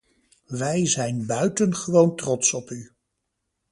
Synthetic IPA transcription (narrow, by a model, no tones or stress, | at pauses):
ʋɛjzɛjnbœɥtənχəʋowntrɔtsɔpy